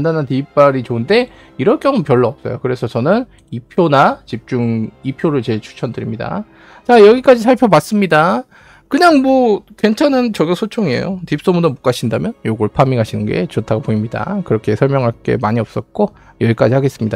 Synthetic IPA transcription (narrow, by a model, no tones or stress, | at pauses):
ndanantiːp̚p͈aɾit͡ɕoɯnde̞ | iɾʌɭk͈jʌŋɯmpjʌɭːʌʌp̚s͈ʌjokɯɾe̞sʰʌt͡ɕʌnɯn | ipʰjonat͡ɕip̚t͡ɕ͈uŋipʰjoɾɯɭt͡ɕe̞ɭt͡ɕʰu̥t͡ɕʰʌndɯɾimɲida̰ | t͡ɕajʌɡik͈ad͡ʑis̬ʰaɭpʰjobas͈ɯmɲida | kɯɲaŋmwʌkwe̞nt͡ɕʰanɯnt͡ɕʌɡosʰot͡ɕʰoŋiḛjo̰tip̚s͈omudomok͈aɕʰindamjʌnjoɡɯɭpʰamiŋɦaɕʰinɯnɡe̞̰t͡ɕotʰaɡopoimɲida̰kɯɾʌkʰe̞sʰʌɭmjʌŋɦaɭk͈e̞̰maɲiʌp̚s͈ʌt̚k͈o | jʌɡik͈ad͡ʑihaɡe̞s͈ɯmɲida